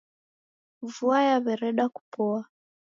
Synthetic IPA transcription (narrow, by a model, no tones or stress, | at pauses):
vuajaβɛɾɛɗaku̥pɔa